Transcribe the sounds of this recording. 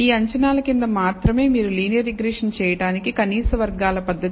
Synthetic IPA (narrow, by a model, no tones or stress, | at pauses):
iːɐɲt͡ʃɐnaːlɐkind̪ɐmaːt̪ɾɐme̞ːmiːɾuliːnjɐɾiɡɾɛːʂɐnt͡ʃɛːjɐʈaːnikikɐniːsɐʋɐɾɡaːlɐpɐd̪ʱːɐt̪